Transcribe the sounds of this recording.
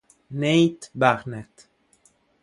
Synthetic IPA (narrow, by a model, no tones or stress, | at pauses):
nejtbaʁnɛt